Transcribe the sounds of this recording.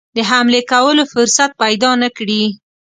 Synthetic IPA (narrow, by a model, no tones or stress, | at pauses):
d̪əɦamlekawəlofʊɾsat̪̚pajd̪ɑnakɽi